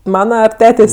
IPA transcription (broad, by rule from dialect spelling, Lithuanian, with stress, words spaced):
ˈmɑːnɐ ɐr ˈtʲæːtʲeːsʲ